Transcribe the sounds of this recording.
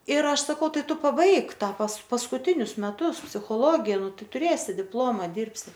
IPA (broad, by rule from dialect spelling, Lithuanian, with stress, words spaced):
ɪr ˈɐʃ sɐˈkɐʊ ˈtɐɪ ˈtʊ pɐˈbɐɪk ˈtɑː pɐs pɐskʊˈtʲɪnʲʊs mʲɛˈtʊs pʲsʲɪxoːˈlˠoːɡʲeː ˈnʊ ˈtɐɪ tʊˈrʲeːsʲɪ ˈdʲɪplˠoːmɐ ˈdʲiːrʲpʲsʲɪ